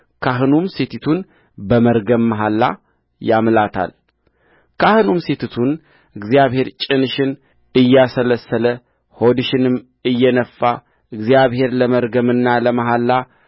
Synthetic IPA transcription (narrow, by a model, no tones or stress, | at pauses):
kʰaɦɨnumset̪ʰit̪ʰun | bəməɾɡəmːaɦalːa̰ | jamlat̪ʰa̰l | kʰahɨnumset̪ʰit̪ʰun | ɨɡzijaβhe̞ɾt͡ʃʼɪnɨʃɪn | ɨjːasələsːələ | ho̞d̪ɨʃɪnɨm | ɨjːɛnəfːa | ʔɨɡzijaβhe̞ɾləməɾɡəmɨnːaləmaɦalːa